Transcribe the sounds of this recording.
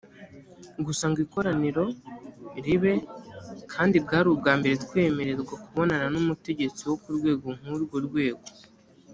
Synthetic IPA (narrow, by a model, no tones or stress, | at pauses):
ɡusaŋɡiːko̞ɾaniɾo̞ | ɾiβe̞kʰaːndibɡaːɾubɡaːmbe̞ɾetkwe̞ːme̞ɾe̞zɡwakuβo̞nananumute̞ɟe̞t͡siwo̞kuɾɡwe̞ːɡo̞ŋ̥uɾɡoɾɡwe̞ːɡo̞